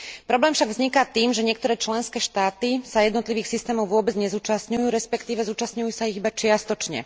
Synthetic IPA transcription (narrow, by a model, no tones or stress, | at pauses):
pɾɔblɛːmfʃaɡvzɲikat̪iːmʒɛɲɪɛkt̪ɔɾɛːt͡ʃlɛnskɛːʃt̪aːt̪isajɛd̪nɔt̪liʋiːxsist̪ɛːmɔʊʋʊɔbɛd͡zɲɛzuːt͡ʃastɲujuːɾɛspɛkt̪iːʋɛzuːt͡ʃastɲujuːsaiɣibat͡ʃɪast̪ɔt͡ʃɲɛ̰